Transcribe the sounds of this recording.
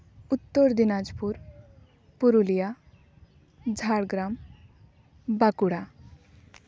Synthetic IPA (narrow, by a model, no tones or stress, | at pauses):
ut̪ːoɾd̪inad͡zpuɾ | puɾulija | d͡zʱaɽɡɾam | bakuɽa